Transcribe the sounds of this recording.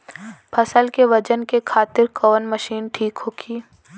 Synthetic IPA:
bʰɐsəlkeʋɐd͡ʒənkekʰaːt̪ɪɾkɔːnmɐʃiːnʈʰiːkɦoːɡiː

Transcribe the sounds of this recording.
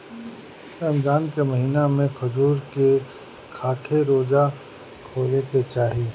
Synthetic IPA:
ɾəmd̪aːnkeməɦiːnamẽxʊzuːɾke | kʰaːkʰeɾoːd͡ʒa | kʰoːleket͡ʃaːɦiː

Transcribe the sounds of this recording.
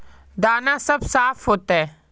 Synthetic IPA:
d̪aːnãːsɐbsaːpʰɦoːt̪aɛː

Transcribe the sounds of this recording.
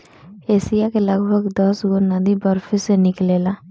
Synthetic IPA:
eːsijakeləɡbʱəɡd̪ɔsɡonəd̪ibəɾfʰesenɪkleːla

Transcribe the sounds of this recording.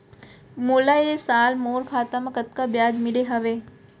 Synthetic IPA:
moːlaesaːlmoːɾkʰaːt̪amãkət̪̚kabjaːd͡ʒmɪleɦɐʋe

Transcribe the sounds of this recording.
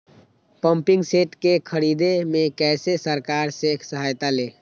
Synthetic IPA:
pəmpiŋɡseʈkekʰəɾid̪emekɛsesəɾkaɾsekʰsəɦajt̪ale

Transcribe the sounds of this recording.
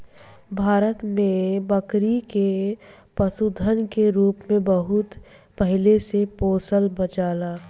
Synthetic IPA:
bʱaːɾət̪mẽbəkɾike | pəsud̪ʱənkeɾuːpmẽbəɦʊt̪ | pəɦɪlesepoːsəlbət͡ʃaːlaː

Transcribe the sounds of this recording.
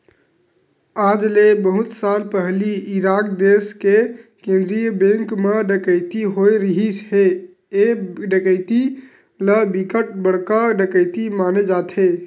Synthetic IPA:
ad͡ʒlebəɦut̪salpəɦliiɾakd̪eskekẽnd̪ɾijəbẽŋkmeɖəkəɪt̪iɦojɾəɦisɦe | eɖəkəɪt̪i | ləbikəʈ̚bəɽ̤kəɖəkəɪt̪imaned͡ʒat̪ʰe

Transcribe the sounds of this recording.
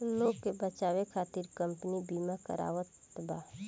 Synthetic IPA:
loːɡkebət͡ʃaːwekʰaːt̪ɪɾkə̃mpənibiːmakə̰ɾa̰ːʋət̪baː

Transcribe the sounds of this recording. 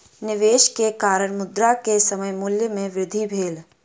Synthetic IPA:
nɪʋeːʃkekaːɾəɽ̃mʊd̪ɾakesəməjmʊljəmẽʋɾɪd̪ʱibʱeːl

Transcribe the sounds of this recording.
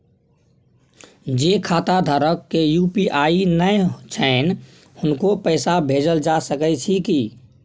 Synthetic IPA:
d͡ʒekʰaːt̪ad̪ʱəɾəkːejuːpiʔainət͡ʃʰən | hʊnkopəɪsabʱeːd͡ʒəld͡ʒasəkɛt͡ʃʰiki

